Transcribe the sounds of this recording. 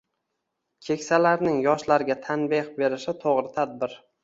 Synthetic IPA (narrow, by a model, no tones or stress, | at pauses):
kʲʰe̞kʲsalaɾnɪŋjɒʃlaɾɡʲat̪ʰanbeqbe̞ɾɪʃɪt̪ʰoʁɾɪt̪ʰad̪̚bɪɾ